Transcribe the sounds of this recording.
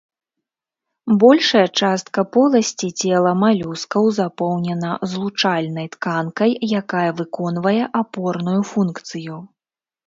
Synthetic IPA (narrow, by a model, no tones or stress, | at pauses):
bɔlʲʂɐjɐt͡ʂast̪̚kɐpɔlˠɐsʲt͡sʲit͡sʲɛlˠɐmalʲuskɐwzapɔwnʲɛnɐzlˠut͡ʂalʲnɐjt̪kankɐjjakajɐvɨkɔn̪vɐjɛʔapɔrnujufunkt̪sɨju